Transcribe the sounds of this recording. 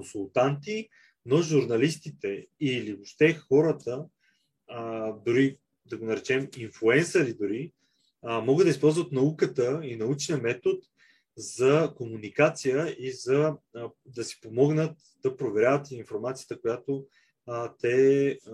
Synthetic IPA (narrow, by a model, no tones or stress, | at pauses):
konsulˠt̪ant̪i | noʒuɾnɐlist̪it̪ɛiliboʃt̪ɛxɔɾət̪ə | d̪ʊɾi | d̪ɐɡonɐɾɛt͡ʃɛminflˠuɛnsəɾid̪ʊɾi | mɔɡəd̪d̪ɐispɔlˠzvət̪nɐukət̪əinɐut͡ʃniəmɛt̪ot̪ | zɐkomunikat̪sijəizɐ | d̪ɐsi̥pomɔɡnət̪ | d̪ɐpɾovɛɾʲavət̪iɱfoɾmat̪sijə̥t̪əkojat̪o | t̪ɛ